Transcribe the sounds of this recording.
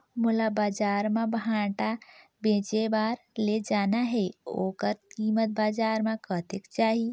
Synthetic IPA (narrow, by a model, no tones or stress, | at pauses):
mulabad͡ʒaɾmebãʈa | bẽt͡ʃebaɾ | led͡ʒanaɦeokəɾkimət̪̚bad͡ʒaɾmekət̪ekt͡ʃaɦi